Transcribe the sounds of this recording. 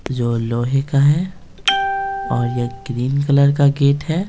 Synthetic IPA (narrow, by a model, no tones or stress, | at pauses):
d͡ʒoːloːɦekaɦɛː | ɔːɾjeɡɾiːnkələɾkaɡeːʈɦɛː